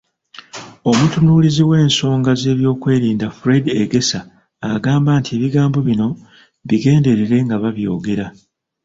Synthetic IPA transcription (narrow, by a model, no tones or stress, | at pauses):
o̞mutunuːliziwe̞ːnso̞ːŋɡaze̞ːβjo̞ːkwe̞ːɾiːndafuɾedeɡe̞saː | ɡaːmbaːntʰieβiɡaːmbo̞βino̞ | βiɡe̞ːnde̞ɾeɾe̞ŋɡaβaβjo̞̰ːɡe̞ɾa